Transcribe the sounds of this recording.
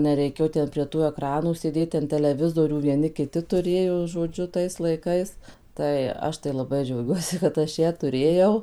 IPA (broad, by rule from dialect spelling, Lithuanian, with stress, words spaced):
nʲɛˈrʲɛɪkʲeːjoː ˈtʲɛn pʲrʲiɛ ˈtuː ɛˈkrɑːnuː sʲeːˈdʲeːt ˈtʲɛn tʲɛlʲɛˈʋʲɪzoːrʲuː ʋʲiɛˈnʲɪ kʲɪˈtʲɪ tʊˈrʲeːjoː ʒoːˈd͡ʒʲʊ tɐɪs lˠɐɪˈkɐɪs ˈtɐɪ ˈɐʃ tɐɪ lˠɐˈbɐɪ d͡ʒʲɛʊˈɡʲuɔsʲɪ kɐt ˈɐʃ ˈjæː tʊˈrʲeːjɛʊ